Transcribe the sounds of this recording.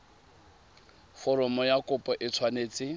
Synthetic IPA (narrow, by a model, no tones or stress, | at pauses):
fɔɾɔmɔjakʊpʼɔʔɪt͡sʰwaneːt͡sʼɪ